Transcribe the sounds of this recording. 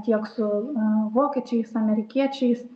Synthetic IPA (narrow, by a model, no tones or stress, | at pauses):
t̪ʲiɛksʊʋoːkʲɛt͡ʃʲɛɪsɐmʲɛɾʲɪkʲiɛt͡ʃʲɛɪs